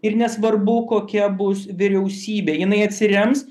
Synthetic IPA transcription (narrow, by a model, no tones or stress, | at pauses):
ɪɾnʲɛsʋɐrbʊkoːkʲɛbʊsʋʲɪɾʲɛʊsʲiːbʲeːjɪnɐɪɐt̪ʲsʲɪɾʲɛms